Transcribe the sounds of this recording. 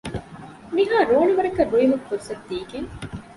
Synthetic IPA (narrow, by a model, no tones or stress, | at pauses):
miɦaːɾoːɳuʋɐɾɐkɐruɭimukkːuɾusɐt̪ːiːkeŋ